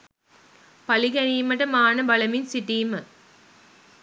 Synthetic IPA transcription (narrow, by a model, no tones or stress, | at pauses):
pɐliɡɛniːmɐʈəmaːnɐbɐlɐminsiʈiːmə